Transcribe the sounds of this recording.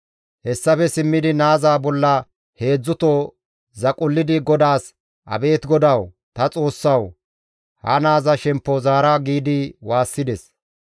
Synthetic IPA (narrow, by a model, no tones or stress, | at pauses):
hɛsːɐfɛsɪmːɪd̪ɪnaːzaːbɔlːɐ | he̞ːd͡zːʊt̪oː | zɐkʼʊlːɪd̪ɪɡɔd̪aːs | ʔɐ̰be̞ːt̪ɡɔd̪ɐw | t̪ɐt͡sʼo̞ːsːɐw | hɐ̰naːzɐʃɛmpːozaːɾaɡiːd̪ɪwaːsːɪd̪ɛs